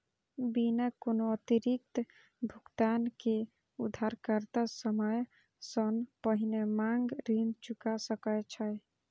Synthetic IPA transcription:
binəkonoət̪iɾik̚t̪ | bʱuɡt̪anke | ud̪ʱaɾkəɾt̪asəməj | sənpəɦinemaŋɡɾint͡ʃukasəkət͡ʃʰəj

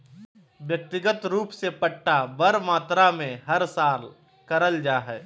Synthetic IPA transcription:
ʋjɐk̚t̪ɪɡət̪ɾuːpsepəʈːabəɾmaːt̪ɾamẽɦɐɾsaːl | kɐɾəld͡ʒaːɦɛː

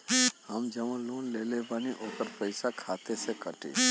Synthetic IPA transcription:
həmd͡ʒəʋãloːnleːlebaniʔoːkəɾpəɪsakʰaːt̪esekəʈḛː

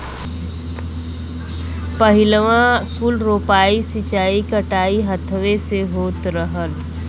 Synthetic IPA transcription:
pɐɦɪləʋãkʊlɾoːpaːisɪt͡ʃaːikəʈaːiɦət̪ʰʋeseɦoːt̪ɾəɦəl

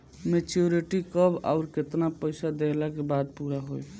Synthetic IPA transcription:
met͡ʃoɾiʈikəba̰ʊɾket̪napəɪsad̪elakebad̪puɾaɦoj

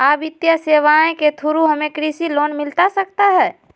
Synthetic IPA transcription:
aːbɪt̪jaseʋaẽket̪ʰuɾuɦəmẽkɾisilonmɪlt̪asək̚t̪aɦɛː

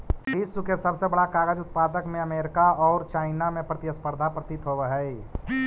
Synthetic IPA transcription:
isukesɐbsebəɽakaːɡəd͡ʒʊt̪̚paːd̪əkmẽəmeːɾɪkaɔːɾt͡ʃaːɪnamẽpɾɐt̪ɪəspəɾd̪ʱapɾət̪ɪt̪ɦoʋəɦɛi

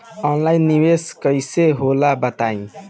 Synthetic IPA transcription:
ɔnlainːiweskəjseɦolabət̪aĩ

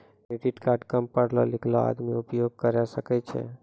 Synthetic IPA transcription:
keɖiʈkaɾʈkəmpːəɾlo̰lɪkʰlo̰a̰d̪miʊpjoɡ̚kəɾjaʃəkat͡ʃʰḛ

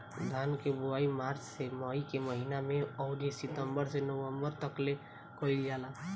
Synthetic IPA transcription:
d̪ʱankebuaimaɾt͡ʃseməikeməɦinameɔʊɾisit̪əmbəɾsenəwəmbəɾt̪əkle | kəild͡ʒala

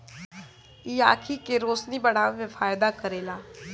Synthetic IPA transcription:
ijaːkʰiːkeːɾoːsniːbəɽãːʋɪfʰaːjd̪aːkəɾeːlaː

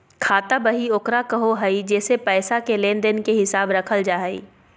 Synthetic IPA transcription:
kʰaːt̪abɐɦioːkɾakɐɦoɦɐid͡ʒɛːsepɛːsakelẽːnd̪ɪnkeɦɪsaːbɾɐkʰəld͡ʒaːɦəḭː

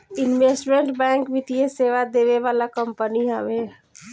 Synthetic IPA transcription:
inʋesʈmeɳʈbɛ̃ŋkbit̪ijeseʋad̪eβeʋalakəmpəniɦɛbe

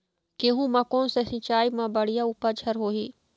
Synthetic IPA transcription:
keɦũmãkõːnsesɪ̃t͡ʃaːimãbɐɽ̤ijaupəd͡ʒʰʱɐɾɦoːɦiː

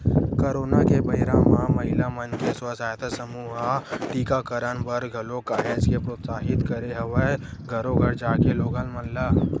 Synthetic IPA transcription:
koɾoːnakebɐɦɪɾãmãmɐɦɪlamənkeswəsaːjt̪ʰsəmuːɦaʈiːkakəɾənbəɾɡʱɐlokaːɦed͡ʒkepɾoːt̪saːɦɪt̪kəɾeɦɐʋəɡʱɐɾoɡʱəɾd͡ʒaːkeloːɡalmɐllaː

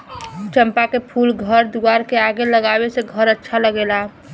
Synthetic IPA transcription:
t͡ʃəmpakepʰulɡʱəɾd̪uaɾkeaɡeləɡabeseɡʱəɾətːʃʰaləɡela

